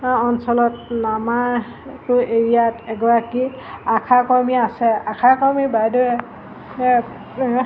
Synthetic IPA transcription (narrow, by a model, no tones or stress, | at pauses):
ɔnsɔlɔt̚nama | tʊeɹijatɛɡɔɹaki | akʰakɔɹmiasɛakʰakɔɹmibajdɔ